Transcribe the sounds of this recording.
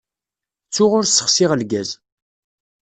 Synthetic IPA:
t͡sːʊʁʊɾsːə̥χsɪʁəlɡæz

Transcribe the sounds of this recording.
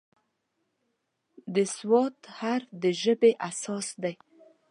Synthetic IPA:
d̪əswɑt̪haɾd̪əʒəbeʔasɑsd̪aj

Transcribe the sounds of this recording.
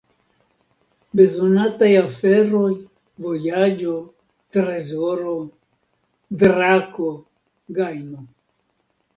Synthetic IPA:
be̞zonatajafeɾoj | vojad͡ʒo | tɾezoɾo | dɾako | ɡajno

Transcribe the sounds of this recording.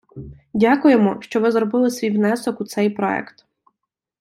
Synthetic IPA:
dʲakʊjemɔʃt͡ʃɔʋɪzrɔbɪlˠɪsʋʲijwnɛsɔkut̪sɛjpɾɔ̰ɛ̰kt̪

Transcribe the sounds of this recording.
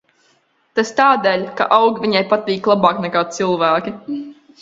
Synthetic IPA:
t̪ast̪aːd̪eːlʲka̰ʔawɡviɲajpat̪iːklˠabaːknɛkaːt̪sɨlˠvæːkʲi

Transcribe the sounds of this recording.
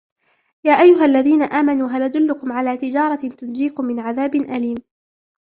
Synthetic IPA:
jaːʔajːʊɦalːaðiːnaʔaːmanuːɦalʔad̪ʊlːʊkʊmʕalaːt̪ɪd͡ʒɑːɾˤɑt̪ʊnd͡ʒiːkʊmːɪnʕaðaːbɪnʔaliːm

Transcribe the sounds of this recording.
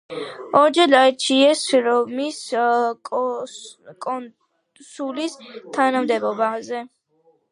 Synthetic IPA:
ɔɾd͡ʒɛlaɛt͡ʃʰiɛsɾɔmisʼ | kʼɔ | sulist̪ʰanamd̪ɛbɔbazɛ

